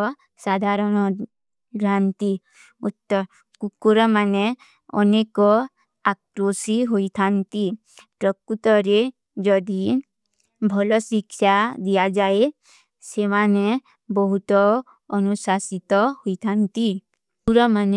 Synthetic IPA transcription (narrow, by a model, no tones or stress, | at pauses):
sad̪ʱaɾɔnɔ | ɾant̪i | ut̪ːɔ | kukuɾɔmane | ɔ̰nekɔ | akɾosiɦoit̪ʰant̪i | pɾɔkːut̪ɔɾe | d͡ʒɔd̪i | bʱɔlɔsikʃad̪ijad͡ʒae | semane | bɔɦut̪ɔ | ɔnusasit̪ɔhoit̪ʰant̪i | uɾɔman